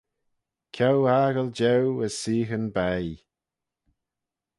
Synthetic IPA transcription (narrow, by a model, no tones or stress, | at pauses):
kʰawaɡəlˠd͡ʒɛwəz̥siːxənbɛj